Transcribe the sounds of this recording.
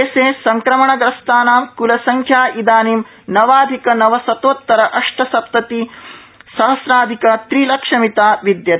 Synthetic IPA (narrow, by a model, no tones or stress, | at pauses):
eseːsɐŋkɾɐmɐɳɐɡɾɐst̪aːnaːmkulɐsɐŋkʰjaːid̪aːniːm | nɐʋaːd̪ʱikɐnɐʋɐsɐt̪oːt̪ːɐɾɐʔɐʂʈʰɐsɐp̚t̪ɐt̪i | sɐɦɐsɾaːd̪ʱikɐt̪ɾiːlɐkʂɐmit̪aːʋid̪jɐ